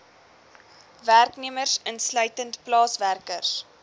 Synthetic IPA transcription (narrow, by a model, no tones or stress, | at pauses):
værkniəmərsənslœɥtəntplɑːsværkərs